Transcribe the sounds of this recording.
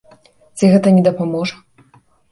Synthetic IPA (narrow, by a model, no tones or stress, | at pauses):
t͡sʲiɣɛt̪ɐnʲɛd̪ɐpamɔʐɐ